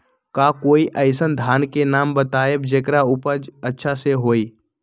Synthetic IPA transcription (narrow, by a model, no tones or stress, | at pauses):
kaːkoːiʔəɪsənd̪ʱaːnkenaːmbət̪aːebd͡ʒeːkɾaʊpəd͡ʒətːʃʰaseɦoːiː